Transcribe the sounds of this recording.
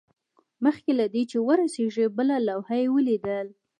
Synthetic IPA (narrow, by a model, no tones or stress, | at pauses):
məxkelad̪et͡ʃewəɾaseʐibəlalawhajewəlid̪əl